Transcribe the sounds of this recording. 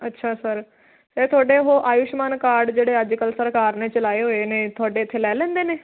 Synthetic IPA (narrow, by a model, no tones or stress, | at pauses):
ətːʃʰaːsəɾ | sɛːt̪ʰʊaːɖeːɦoːʔaːjʊʃmaːnkaːɾɖd͡ʒeːɽeːəd͡ʒkəlsəɾkaːɾneːt͡ʃəlaːeːɦoːeːneːt̪ʰʊaːɖeːɪt̪ʰːeːlɛːlɛ̃ːnd̪eːneː